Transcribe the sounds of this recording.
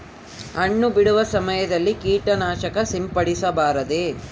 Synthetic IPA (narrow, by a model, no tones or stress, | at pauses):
ɐɳːubiɽuʋɐsɐmɐjɐd̪ɐlːikiːʈɐnaːʃɐkɐsimpɐɽisɐbaːɾɐd̪e